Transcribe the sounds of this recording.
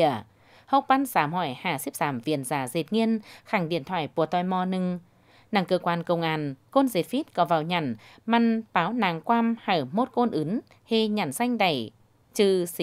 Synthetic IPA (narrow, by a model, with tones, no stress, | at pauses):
ə | hə˦˥wk͡p̚ɓa˧nsaː˨˦mhɔ˧˩jhaː˧˩si˦˥p̚zaː˨˦mvḭ˧˨ənzaː˨˦ze˨˩t̚ŋi˧ənxa˧˩ŋɗḭ˧˨ənt̪ʰwa̰ː˧˨jku˧˩ət̪ɔ˧˩jmɔ˧nɨ˧ŋ | naː˧˩ŋkəː˧kwaː˧nkə˧˩wŋ͡mŋʔaː˧˩nko˧nze˨˩t̚fi˦˥t̚kɔ˨˦vaː˧˩wɲa˧˩n | ma˧npaː˨˦wnaː˨˩ŋkwaː˧mhaː˧˩mo˦˥t̚ko˧nʔɨ˨˦n | hi˧˩ɲa˧˩nsa˧jŋ̟ɗa˧˩j | t͡ɕɨ˧˩s